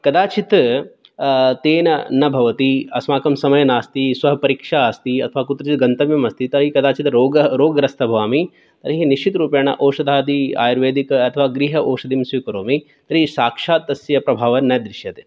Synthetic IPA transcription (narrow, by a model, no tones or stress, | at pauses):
kɐd̪aːt͡ʃit̪ | t̪eːnɐnɐbʱɐʋɐt̪iɐsmaːkɐmsɐmɐjɐnaːst̪isʋɐɦɐpɐɾiːkʂaːst̪iɐ̰t̪ʰɐʋaːkut̪ɾɐt͡ʃit̪̚ɡɐnt̪ɐmjɐmɐst̪it̪ɐɾɐɦikɐd̪aːt͡ʃit̪ɾoːɡɾoːɡɐɾɐst̪ʰɐbʱʋaːmi | t̪ɐɾɐɦiniʃt͡ʃit̪ɾuːpjaːɳɐ̰ʔoːʂɐd̪ʱaːd̪ia̰ːjɾʋeːd̪ikɐt̪ʰɐʋaːɡɾiɦɐʔoːʂɐd̪imsʋikɐɾoːmi | t̪ɐɾɦisaːkʂaːt̪ːɐsjɐpɾɐbʱaːʋɐnɐd̪ɾɪʃjɐt̪e